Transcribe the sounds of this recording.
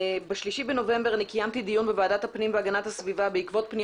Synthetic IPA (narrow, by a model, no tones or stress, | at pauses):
beʃliʃibeno̞ve̞mbe̞ʁanikajamt̪id̪ijunbevaːdat̪hapnimbeaɡanathasvivabeikvo̞t̪̚pni